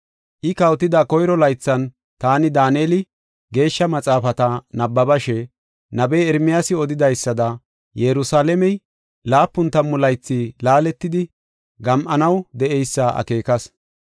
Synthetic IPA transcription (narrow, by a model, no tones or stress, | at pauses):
ʔɪkɐwt̪ɪd̪ɐkɔjɾɔlɐjt͡sːɐn | t̪aːnɪd̪aːneːlɪ | ɡe̞ːʃːɐmɐt͡sʼaːfɐt̪ɐnɐbːɐbɐʃɛ | nɐbɛjɛɾmɪjasɪɔd̪ɪd̪ɐjsːɐd̪ɐ | jɛɾʊsaːlɛmɛj | laːpːʊnt̪ɐmːʊlɐjt͡sːɪlaːlɛt̪ːɪd̪ɪ | ɡɐmʔɐnɐwd̪ɛʔɛjsːɐʔɐ̰ke̞ːkɐs